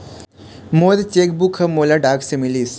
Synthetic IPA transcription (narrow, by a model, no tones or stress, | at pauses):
moːɾt͡ɕek̚bukʰəmoːlaɖaːksemilis